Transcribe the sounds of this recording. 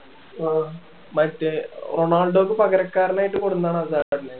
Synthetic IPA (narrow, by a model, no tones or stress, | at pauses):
a | mɐtːeroɳaːlɖoːkːɨpɐkɐɾɐkːaːɾɐnaːjiʈːɨkoɽunːɐðaːɳɐsaːɾine